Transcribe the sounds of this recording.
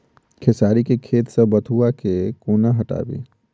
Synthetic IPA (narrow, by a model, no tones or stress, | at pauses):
kʰɪsaːɾikekʰeːt̪səbɐt̪ʰuakekoːnaɦɐʈa̰ːbḭː